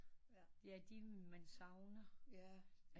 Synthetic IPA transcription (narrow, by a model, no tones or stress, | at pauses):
d̥e̝æd̥imænsɑ̈ʊnɐ